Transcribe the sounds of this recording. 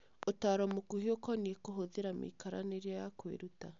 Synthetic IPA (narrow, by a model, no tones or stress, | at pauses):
otaːɾɔmokuhiokɔniekoɦoðeɾamḛkaɾa̰neɾeajakwḛɾuta